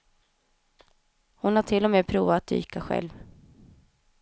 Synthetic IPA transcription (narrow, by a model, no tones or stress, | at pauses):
hʊnhaʈʰɪlːɔmeːpʰɾuːvaːt̪̚d̪y̰ːkaɧɛ̰lv